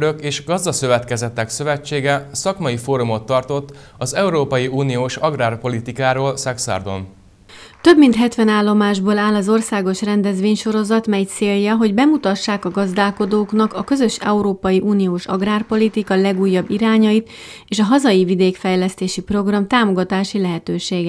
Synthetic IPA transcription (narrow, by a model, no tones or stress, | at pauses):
ɾøkeːʃɡɒzd̪ɒsøvɛt̪kɛzɛt̪ːɛksøvɛt͡ʃːeːɡɛsɒkmɒjifoːɾumo̞t̪ːɒrt̪o̞t̪ː | ɒzɛuɾoːpɒjiuːnijoːʃɒɡraːrpo̞lit̪ikaːɾoːlsɛksa̰rd̪o̰n | t̪ø̞bmint̪ɦɛt̪ʋɛnaːlːo̞maːʒboːlaːlɒzo̞rsaːɡo̞ʃrɛnd̪ɛzʋeːɲʃo̞ɾo̞zɒt̪mɛjt̪seːljɒɦo̞ɟbɛmut̪ɒʃːaːkɒɡɒzd̪aːlko̞d̪oːknɒkɒkø̞zø̞ʃɛ̰uɾoːpɒjiʔuːnijoːʃɒ̰ɡraːrpo̞lit̪ikɒlɛɡuːjːɒbːiɾaːɲɒjit̪ | eːʃɒɦɒzɒjivid̪eːkfɛjlɛst̪eːʃipro̞ɡrɒmt̪aːmo̞ɡɒt̪aːʃilɛɦɛt̪øːʃeːɡɛ